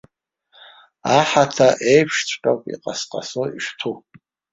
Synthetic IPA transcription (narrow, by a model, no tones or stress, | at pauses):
aħatʰaʔejpʰʂt͡sʷʼqʲʼowpʼḭqʼasqʼa̰soiʃtʰu